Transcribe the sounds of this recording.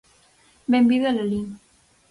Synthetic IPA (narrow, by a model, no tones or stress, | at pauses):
bembiðelali